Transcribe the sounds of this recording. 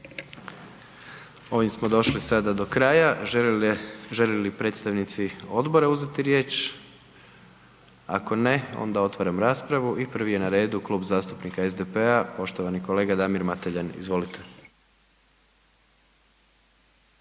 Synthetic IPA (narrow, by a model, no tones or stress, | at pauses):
o̞ʋimsmo̞d̪o̞ʃlisad̪ad̪o̞kɾaːja | ʒelelipɾe̞t̪st̪aʋnit̪sio̞d̪bo̞ɾeuzet̪iɾje̞ːt͡ʃ | a̰ko̞ne̞o̞̰nd̪ao̞t̪ʋaɾamɾaːspɾaʋuipr̩ʋije̞naɾe̞ːd̪ukluːbzaːst̪upnikaezd̪epeapo̞ʃt̪oʋaniko̞le̞ːɡad̪amiɾmat̪eʎanḭzʋo̞lit̪ʰe̥